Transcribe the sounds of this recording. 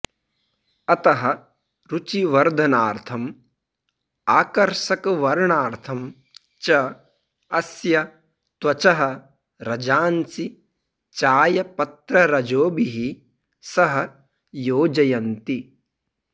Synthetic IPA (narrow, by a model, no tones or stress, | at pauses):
ɐt̪ɐɦɐ̆ | ɾut͡ʃiʋɐɾd̪ʱɐnaːɾt̪ʰɐm | aːkɐɾʃɐkɐʋɐɾɳaːɾt̪ʰɐm | t͡ʃɐ | ɐsjɐ | t̪ʋɐt͡ʃɐɦɐ̆ | ɾɐd͡ʒaːnsi | t͡ʃaːjɐpɐt̪ɾɐɾɐd͡ʒoːbiɦi | sɐɦɐ | joːd͡ʒɐjɐnt̪i